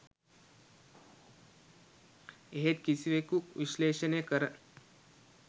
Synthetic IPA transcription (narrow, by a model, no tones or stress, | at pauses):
ɦet̪kisiʋekuʋiɕleːɕənekəɾə